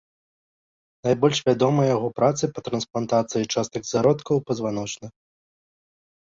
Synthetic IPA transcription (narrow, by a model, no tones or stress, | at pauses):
najbɔlʲʂvʲad̪ɔmɐjjaɣɔpɾat̪sɨpɐt̪ɾɐnsplˠant̪at̪sɨjit͡ʂast̪ɐɡzaɾɔt̪kɐwpɐzvanɔt͡ʂnɐ